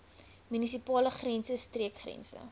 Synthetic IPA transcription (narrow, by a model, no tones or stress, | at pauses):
mynisipɑːləχrɛnsəstriəkχrɛ̰nsə̰